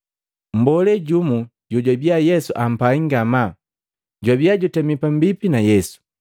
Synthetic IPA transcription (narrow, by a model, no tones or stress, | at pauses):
m̩bɔlɛɟumuɟɔɟwabjajɛsuʔam̩paiŋɡama | ɟwabjaɟɔtɛmipam̩bipinajɛsu̥